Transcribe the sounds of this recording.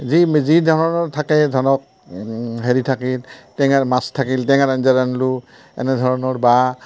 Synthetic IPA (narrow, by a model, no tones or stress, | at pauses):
zimzidʱɔɹɔnɔɹtʰakɛzɔnɔk̚ | ɦeɹitʰakiltɛŋaɹmastʰakiltɛŋaɹanzaɹanlu | ɛ̰nɛdʱɔɹɔnɔɹba